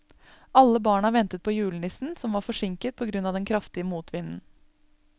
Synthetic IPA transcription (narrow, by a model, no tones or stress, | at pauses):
ʔɑlːəbɑːɳɑʋɛnt̪ət̪̚pʰɔjʉːlnɪsn̩sɔmʋɑːɾfɔʂɪŋkət̪̚pʰɔɡɾʉnːɑʋd̪ɛnkʰɾɑft̪ɪəmuːt̪ʰʋɪnn̩